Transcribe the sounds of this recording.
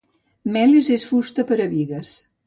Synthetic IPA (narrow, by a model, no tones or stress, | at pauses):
mɛlezesfust̪əpəɾəβiɣəs